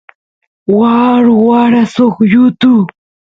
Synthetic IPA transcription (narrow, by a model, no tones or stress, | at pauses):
waɾwaɾasoχjʊt̪u